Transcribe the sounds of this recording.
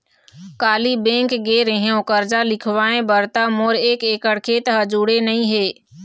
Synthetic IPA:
kaːlibẽːŋkɡeːɾẽɦjõkəɾd͡ʒalɪkʰʋaːẽbəɾt̪amoːɾeːkeːkəɽkʰeːt̪ɦəd͡ʒuɽenɐɦĩɦeː

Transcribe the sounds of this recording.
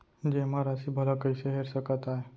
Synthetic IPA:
d͡ʑemaɾasibʱəlakəiseɦeɾɕəkət̪ae

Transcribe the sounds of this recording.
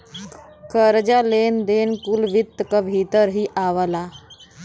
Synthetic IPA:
kəɾd͡ʒalend̪eːnkulʋit̪ːəkabʱit̪əɾɦiʔaʋəla

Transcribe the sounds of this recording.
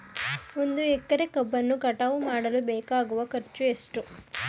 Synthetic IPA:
mund̪uekːɐɾekɐbːɐnːukɐʈɐʋumaːɽɐlubɛːkaːɡuʋɐkɐɾt͡ʃːuesʈu

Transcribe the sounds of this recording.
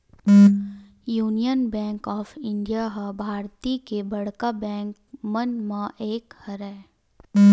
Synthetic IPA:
juːnijənbɛ̃ːŋkɔːfʰɪ̃ɳɖijaɦabʱaːɾt̪ikebɐɽ̤kabɛ̃ːŋk̚ | mənmãʔeːkhəɾɛː

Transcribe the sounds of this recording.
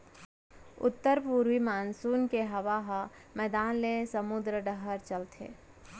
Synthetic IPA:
ʊ̰t̪ːəɾpuːɾʋimaːnsuːnkeɦɐʋaːɦamɛːd̪aːnlesəmʊd̪ɾəɖəɦəɾt͡ʃɐlt̪ʰḛː

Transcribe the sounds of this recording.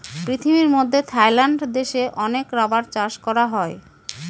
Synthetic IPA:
pɾit̪ʰimiɾmod̪ʱːet̪ʰajlaɳɖd̪eʃeʔɔnekɾabaɾt͡ɕaʃkɔɾaɦɔe

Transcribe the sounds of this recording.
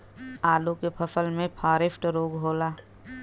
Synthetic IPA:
aːlõkepʰəsəlmẽpʰaːɾɪpʈɾoːɡɦoːlaː

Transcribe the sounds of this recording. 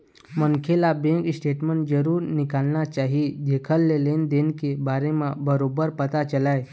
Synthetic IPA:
məŋkʰelabẽŋksʈeʈməɳʈ̚d͡zəɾuːɾnikalnat͡ɕaɦid̪ekʰəlːelend̪enkebaɾemãbəɾobəɾpət̪at͡ʃəlaj

